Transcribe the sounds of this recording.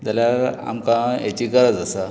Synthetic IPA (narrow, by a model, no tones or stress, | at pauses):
d͡zaljaɾa̰mkãet͡ɕikəɾəd͡zasa